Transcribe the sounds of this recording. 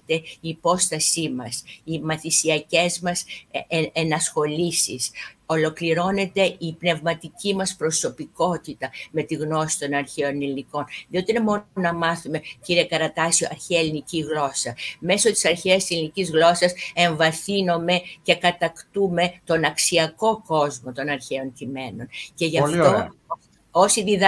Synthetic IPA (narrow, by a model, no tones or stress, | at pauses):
t̪e̞ipo̞st̪ɐsimɐsimɐθisiɐce̞zmɐs | enɐsxo̞lisiso̞lo̞kliɾo̞ne̞t̪e̞ipne̞vmɐt̪icimɐspɾo̞so̞piko̞t̪it̪ɐme̞t̪iɣno̞si̥t̪o̞nɐɾçeo̞niliniko̞nðiot̪ine̞mo̞nɐmɐθume̞ciɾiekɐɾɐt̪ɐsio̞ʔɐɾçeɐeliniciɣlo̞sɐme̞so̞t̪i̥sɐɾçeɐst̪selinicizɣlo̞sɐse̞ɱvɐθino̞me̞ce̞kɐt̪ɐkt̪ume̞t̪o̞nɐksiɐko̞ko̞zmo̞t̪o̞nɐɾçeo̞ncime̞no̞nce̞ʝɐfo | osiðiðɐ